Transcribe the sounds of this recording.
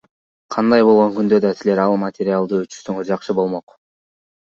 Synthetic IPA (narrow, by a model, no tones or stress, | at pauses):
qʰɑnd̪ɑjbo̞lˠʁo̞ŋkynd̪ø̞d̪ɑsile̞ɾɑlˠmat̪ʲɪɾʲɪalˠd̪ɯøt͡ʃy̥ʃsøŋøɾd͡ʒɑqʃɯbo̞lˠmo̞q